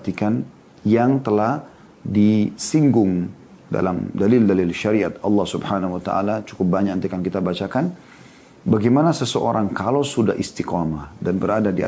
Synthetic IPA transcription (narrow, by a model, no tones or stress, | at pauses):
t̪ikan | jaŋt̪əlah | disiŋɡʊŋ | da̰lamdalɪldalɪlʃaɾiat̪̚ɑlːɑhsubhanahuwat̪a̰ʔa̰lat͡ʃu̥kʊp̚baɲaknt̪ikankit̪abat͡ʃakan | baɡamanasəsəʔoɾaŋkalowsuda̰hist̪ikamadanbəɾadadia̰